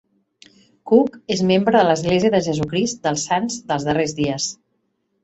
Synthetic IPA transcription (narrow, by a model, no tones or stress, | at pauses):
kukezmembɾəðələzɣleziəðəʒəzukɾist̪̚d̪əlˠsanzd̪əlˠzðərezðiəs